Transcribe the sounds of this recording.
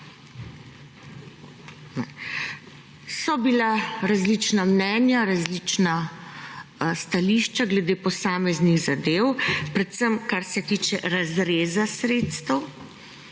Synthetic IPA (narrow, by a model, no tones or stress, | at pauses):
nɛ | sɔbilaɾazlit͡ʃnamnɛːnjaɾazlit͡ʃna | st̪aliːʃt͡ʃaɡlɛd̪eːpɔsaːmɛzniɣzad̪eːwpɾɛt̪səmkaɾsɛt̪iːt͡ʃɛɾazɾeːzasɾeːt̪st̪əw